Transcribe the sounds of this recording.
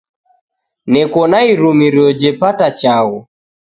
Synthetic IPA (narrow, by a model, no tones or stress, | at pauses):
nɛkɔnaiɾumiɾjɔd͡ʒɛpatat͡ʃaɣɔ